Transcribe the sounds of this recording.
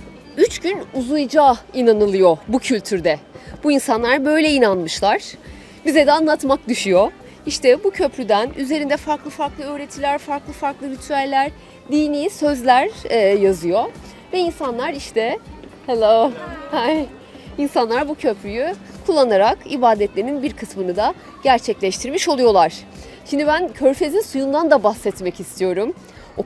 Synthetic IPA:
yt͡ʃɟynuzujd͡ʒaːinanɯlˠɯjo̞bucʰylʲt̪ʰyɾd̪ɛb̥uinsanlˠaɾbø̞jlʲɛinanmɯʃlˠaɾ̥ | bizɛd̪ɛanlˠat̪mak̚d̪yʃyjo̞ | iʃt̪ɛbucʰø̞pʰɾyd̪ænyze̞ɾind̪ɛfaɾklˠɯfaɾklˠɯøːɾe̞t̪ʰilʲæɾfaɾklˠɯfaɾklˠɯvit̪ʰyælʲːæɾ̥ | d̪iːniːsø̞zlʲæɾːjazɯjo̞ | vɛinsanlˠaɾiʃt̪ʰɛheloha | insanlˠaɾbucʰøpʰɾyjykʰulˠːanaɾakibaːd̪ɛt̪lʲeɾinbiɾkʰɯsmɯnɯd̪a | ɟ̥æɾt͡ʃʰɛclʲɛʃt̪ʰiɾmiʃo̞lˠujo̞lˠaɾ̥ | ʃind̪ibæncʰø̞ɾfe̞zinsujund̪and̪abahsɛt̪mɛcist̪ʰijo̞ɾum

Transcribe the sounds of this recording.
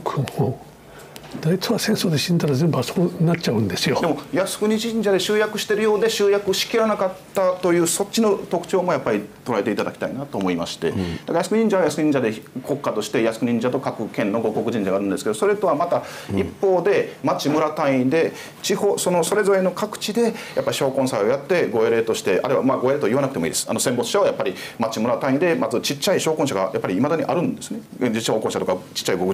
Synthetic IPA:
kʰɯho | d̪ait͡sɨβasẽ̞ɰ̃soːd̪eɕĩnd̪aɾazẽ̞mbasonatt͡ɕaɯ̟̃nd̪e̞sɨjod̪emo̞jasɨ̥kɯ̟ɲ̟iʑĩɲ̟d͡ʑad̪eɕɨːjakɯ̟ɕi̥t̪e̞ɾɯjo̞ːd̪e̞ɕɨːjakɯɕi̥kʲiɾanakat̪ːat̪o̞jɯ̟ːso̞t͡ɕːino̞t̪o̞kɯ̟̥t͡ɕoːmo̞japːaɾʲit̪o̞ɾae̞t̪e̞it̪ad̪akʲi̥t̪a̰inat̪o̞ːmo̞ima̰ɕi̥t̪e̞̰d̪̥akajasɨ̥kɲĩɲ̟d͡ʑaβajasɨɲĩɲd͡ʑad̪e̞kʰo̞kːat̪o̞ɕi̥t̪e̞jasɨ̥kɯ̟ɲ̟ĩɲd͡ʑat̪o̞kakɯ̟kẽ̞nːo̞ɡo̞ko̞kɯ̟ʑĩɲ̟d͡ʑaɡaːɾɯ̟̃nd̪esked̪o̞so̞ɾe̞t̪o̞βamat̪aipːo̞ːd̪e̞mat͡ɕimɯ̟ɾat̪aĩd̪e̞ | t͡ɕiho̞ːso̞no̞so̞ɾe̞zo̞ɾe̞no̞kakɯ̟̥t͡ɕid̪e̞japːaɾʲiɕo̞ːkõ̞ɰ̃sao̞jat̪ːe̞ɡo̞eɾe̞t̪o̞ɕi̥t̪e̞ʔa̰ɾɯβamaɡo̞e̞ɾe̞t̪oiβanakɯ̥t̪emo̞ḭːd̪esanosẽ̞mbo̞t͡sɨ̥ɕaojapːaɾʲimat͡ɕimɯ̟ɾat̪ãĩnd̪e̞mazɨt͡ɕit͡ɕːaiɕo̞ːkõɕaɡa̰japːaɾʲiːmad̪aɲ̟iʔaɾɯ̟̃nd̪e̞sɨne̞ | d͡ʑiɕaoːkõɕat̪okat͡ɕi̥t͡ɕːaiɡokɯ̟

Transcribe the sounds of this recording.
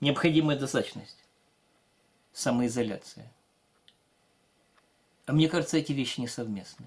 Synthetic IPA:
nʲɪəpxɐdʲiməjəd̪ɐst̪at̪ət͡ɕnə̰sʲtʲ | saməɪzɐlʲa̰t̪sɨjə̰ | ɐmnʲekaʐɨt̪səɛtʲɪvʲeɕːɪnʲɪsɐvmʲe̞snɨ

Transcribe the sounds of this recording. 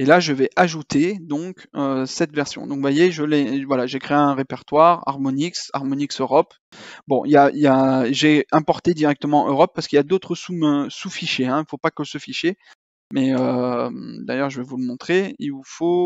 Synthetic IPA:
elaʒəvɛʔaʒut̪ed̪ɔ̃køsɛt̪vɛʁsjɔ̰̃d̪ɔ̃kvwajeʒəlevwalaʒekχeeɛ̃ʁepɛʁt̪waʁa̰ʁmɔniksa̰ʁmɔniksøʁɔp | bɔ̃ʔiljailjaʒɛɛ̃pɔʁt̪ed̪iʁɛk̚t̪əmɑ̃ʔøʁɔpːaʁsə̥kiljad̪ot̪χəsumøsufiʃeɛ̃ilfopakəsəfiʃe | mɛø | d̪ajœʁʒəvɛvuləmɔ̃t̪χeilvufo

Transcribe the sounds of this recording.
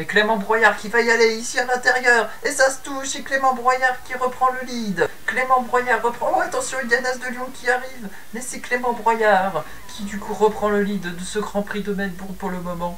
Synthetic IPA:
mɛklemɑ̃bʁwajaʁkʲivaialeisialɛ̃t̪ɛʁjœːʁ | esasə̥t̪uʃsɛklemɑ̃bʁwajaʁkʲiʁəpχɑ̃ləlid̪klemɑ̃bʁwajaʁːəpχɑ̃ɔ̃at̪ɑ̃sjɔ̃id̪anazd̪əljɔ̃kʲiaʁiv | mɛsɛklemɑ̃bʁwajaʁ | kʲʰid̪ykuʁəpχɑ̃ləlid̪ːəsəɡʁɑ̃pχid̪ɔmɛnpuʁpuʁləmɔmɑ̃

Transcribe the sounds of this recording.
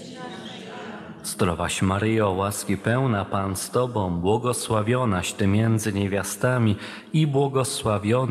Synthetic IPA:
zt̪ɾɔvaɕmaɾɘjɛɔwaskʲipɛwnapanst̪ɔbɔ̃w̃bwɔɡɔswavʲjɔnaɕt̪ɘmʲjɛnd̪zɘɲevʲjast̪amʲi | ibwɔɡɔswavʲjɔn

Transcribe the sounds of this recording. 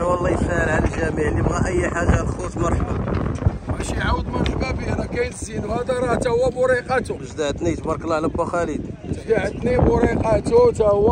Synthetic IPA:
wəlˤːɑjəsæʕəlʕalælʒæmiʕlibæʔəjːħaʒːalxusmɑɾˤħba | mæʃiʕawəd̪mɑɾˤħbæbinækæjt̪zinuhæd̪æɾˤɑht̪æhwːæmʊɾiqɑt̪uəʒd̪aʕd̪nijt̪bɑɾˤkəlʕlæbæxælid̪ʒd̪aʕət̪nibʊɾiqɑt̪ut̪æhwːæ

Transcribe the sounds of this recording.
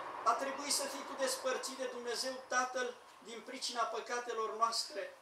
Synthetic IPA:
vat̪ɾe̞buisəfijkud̪e̞spərt̪sit̪d̪ed̪umne̞ze̞wt̪at̪əl | d̪inpɾit͡ʃinapəkat̪e̞lo̞rnoast̪ɾe̞

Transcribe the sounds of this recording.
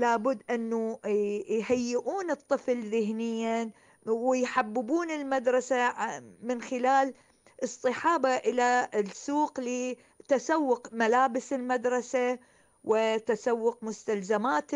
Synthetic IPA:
laːbʊd̪ːʔɪnːu | jhajːɪʔuːnɨt̪ˤːɨflðɪɦnɪjːa | wɪjħabːɪbuːnɪlmad̪ɾˤɑsamɪnxɪlaːl | ʔɨsˤt̪ˤɨħɑːbaʔɪlasːuːqli | t̪asawːʊqmalaːbɪsɪlmad̪ɾˤɑsa | wɪt̪asawːʊqmʊst̪alzamaːt̪

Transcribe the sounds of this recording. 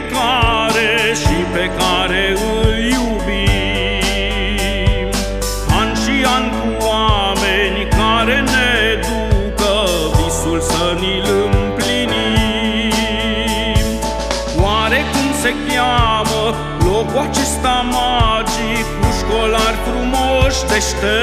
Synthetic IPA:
klaɾeʃipekaɾe | ɨlju | bi | anʃiaŋku | a | menikaːɾened̪ukə | bisulsənilɨmplini | waːɾekunsekjamə | loːkwat͡ʃist̪amad͡ʒi | kuʃkolaɾkumoʃd̪eʃt̪e

